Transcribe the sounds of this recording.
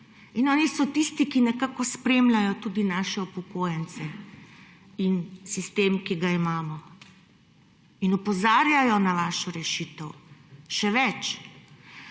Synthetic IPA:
inɔːnisɔt̪ist̪ikinɛkakɔspɾeːmlajɔt̪ud̪inaʃɛupɔkoːjɛnt̪sɛ | insist̪eːmkiɡaimaːmɔ | inɔpɔzaːɾjajɔnaʋaːʃɔɾɛʃiːt̪əwʃɛʋɛt͡ʃ

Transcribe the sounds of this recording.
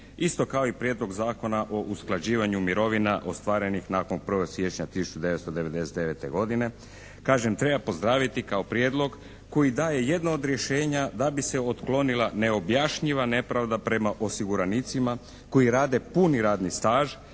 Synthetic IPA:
ist̪o̞kao̞ipɾjed̪lˠo̞ɡzaːko̞naʔo̞ʔusklˠad͡ʑiːʋaɲumiɾo̞ʋinaʔo̞st̪ʋaːɾe̞nixnaːko̞npr̩ʋosje̞t͡ʃɲat̪isu̥t͡ʃud̪e̞ʋet̪st̪o̞d̪e̞ʋe̞d̪e̞set̪e̞ʋe̞t̪eɡo̞d̪ine̞ | kaːʒemt̪ɾe̞bapo̞zd̪ɾaːʋit̪ikao̞pɾjed̪lˠo̞ɡ | ko̞jid̪aːje̞je̞d̪naod̪ɾje̞ʃe̞ːɲad̪abiseo̞t̪klˠo̞nilˠane̞o̞bjaʃɲiʋane̞pɾaʋd̪apɾe̞maʔo̞siɡuɾanit̪sima | ko̞jiɾaːd̪e̞puniɾaːd̪nist̪aːʒ

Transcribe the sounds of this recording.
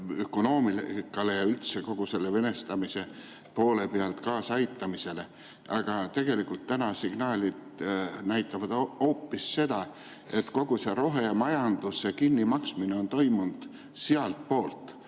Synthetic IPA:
yko̞no̞ːmilkːˑɑle̞jɑylt̪seko̞ɡ̥use̞lːe̞ve̞ne̞st̪ɑmise̞ | po̞ːle̞peɑlt̪kɑːsɑjt̪ːˑɑmise̞le̞ | ʔɑɡ̥ɑt̪e̞ɡ̥e̞likːult̪ːænɑsiɡ̥nɑːlʲid̪næjt̪ˑːɑvɑd̪o̞ːpːisːe̞d̪̥ɑ | e̞t̪ko̞ɡ̥use̞ɾo̞ɦemɑjɑnd̪̥usekinːimɑksmineo̞nt̪o̞jmund̪̥ | siɑlt̪̚po̞ːlt̪ːˑ

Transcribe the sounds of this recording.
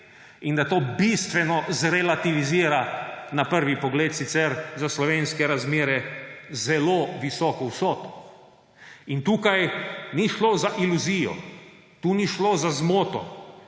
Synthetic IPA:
ind̪at̪oːbist̪ʋɛnɔzɾɛlat̪iʋiziːɾanapəɾʋipɔɡleːt̪sit̪sɛɾzaslɔʋeːnskɛɾazmeːɾɛzɛloːʋisɔːkɔwsɔːt̪ɔ̥ | int̪uːkajniʃloːzaʔiluziːjɔ̰ | t̪uːniʃlozazmoːt̪ɔ

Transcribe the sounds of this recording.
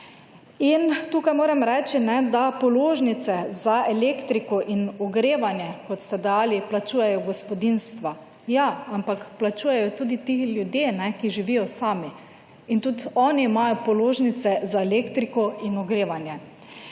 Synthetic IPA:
int̪uːkajmoːɾɛmɾɛːt͡ʃinɛd̪apɔloːʒnit̪sɛzaɛleːkt̪ɾikɔʔinɔɡɾeːʋanjɛkɔt̪st̪ɛd̪ɛjaːliplat͡ʃuːjɛjɔɡɔspɔd̪inst̪ʋa | jaampakplat͡ʃuːjɛjɔt̪uːd̪it̪ixljud̪jeːnɛkiʒiʋijɔsaːmi | int̪ut̪ɔːniːmajɔpɔloːʒnit̪sɛzaɛleːkt̪ɾikɔinɔɡɾeːʋanjɛ

